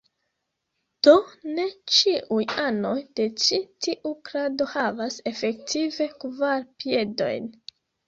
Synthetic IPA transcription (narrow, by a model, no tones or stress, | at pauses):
d̥o̞ne̞t͡ʃiʔujano̞jd̥e̞t͡ʃitiʔukɾado̞havase̞fe̞k̚tʰive̞kvaɾpie̞do̞̰jn